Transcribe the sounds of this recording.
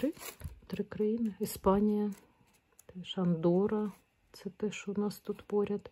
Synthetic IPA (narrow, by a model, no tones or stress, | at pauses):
ɾɪt̪ɾɪkɾɐjinɪispɑnʲijɐ | t̪ɛʃɐnd̪ɔɾɐ | t̪sɛt̪ɛʃt͡ʃɔnɑst̪ut̪pɔɾʲɐd̪